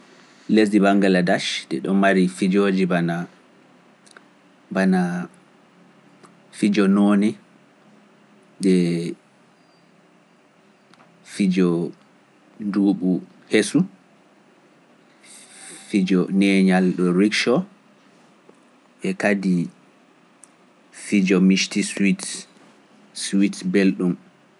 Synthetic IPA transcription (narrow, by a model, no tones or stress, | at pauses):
les̬ibaŋɡaladaʃdɛɗɔnmaɾifid͡ʒoːd͡ʒibana | bana | fid͡ʒɔnɔːnɛ | dɛ | fid͡ʒɔ | duːɓu | hesu | fid͡ʒɔnɛɲalɗɔɾikʃɔ | ʔɛkadi | fid͡ʒɔmiʃtiswit | switbelɗum